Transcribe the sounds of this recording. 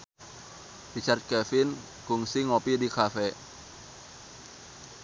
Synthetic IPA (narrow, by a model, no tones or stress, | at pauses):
rit͡ʃart̪̚kɛfin | kuŋsiŋopidikafɛ